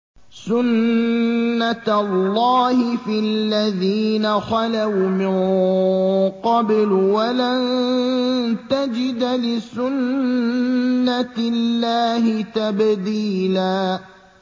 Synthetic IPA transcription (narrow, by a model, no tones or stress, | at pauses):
sʊnː | alːɑːhɪfillːaðiːnaxɑlawmɪn | qɑblwalan | t̪ad͡ʒɪd̪lɪsʊn | alːaːhɪt̪abd̪iːlaː